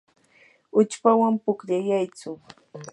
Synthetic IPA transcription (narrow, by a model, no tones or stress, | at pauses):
ʊt͡ʃpawampʊkʎajajt͡sʊ